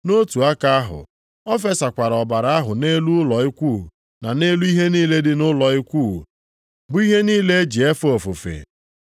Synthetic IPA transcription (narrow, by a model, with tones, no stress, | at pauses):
no˦tu˨a˦ka˦a˦ɦʊ̰˨ | ɔ˦fe˦sa˨kʷa˨ɾɔ˨ba˨ɾa˨a˦ɦʊ˨ne˦lu˦lɔ˨i˦kʷu˦˨ | na˨ne˦lu˦i˦ɦe˦niː˦le˦dɪ˦nʊ˦lɔ˨i˦kʷu˦˨ | bʊ˨i˦ɦe˦niː˦le˦e˦d͡ʒi˨e˦fo˨fʊ˨fḛ˨